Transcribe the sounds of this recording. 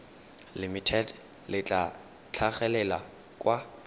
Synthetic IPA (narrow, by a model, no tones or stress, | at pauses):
limitʰɛd | lɪt͡ɬʼa | t͡ɬʰaχɛlɛla | kʼwa